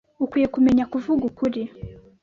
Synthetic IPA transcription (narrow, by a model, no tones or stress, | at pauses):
ukuɛkumɛɲakuvuɡukuɾi